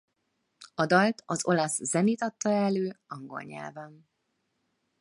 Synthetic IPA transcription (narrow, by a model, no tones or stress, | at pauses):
ɒd̪ɒlt̪ɒzo̞lɒszɛniːt̪ɒt̪ːɒɛlːøːɒŋɡo̞̰lɲɛ̰lvɛm